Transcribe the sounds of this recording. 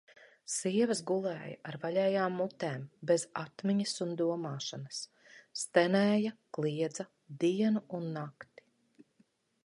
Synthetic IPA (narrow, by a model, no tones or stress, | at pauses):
siɛvəzɡulˠɛ̰ːja̰ʔaɾvalʲɛːjaːmːut̪ɛːmbezat̪miɲisund̪uɔmaːʃanɐs | t̪ɛnɛːjaklˠiɛd̪zɐ | d̪iɛnuunːakt̪i̥